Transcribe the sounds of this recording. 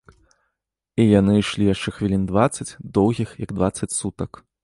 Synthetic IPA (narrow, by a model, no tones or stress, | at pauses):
ijanɨiʂlʲijaʂt͡ʂɛxvʲilʲind̪vat̪sɐt͡sʲd̪ɔwɣʲixjɐɡd̪vat̪sːɐt͡sʲsut̪ɐk